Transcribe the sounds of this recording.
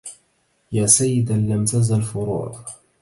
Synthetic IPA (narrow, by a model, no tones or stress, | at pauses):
jaːsajːɪd̪alːamt̪azalfʊɾṵː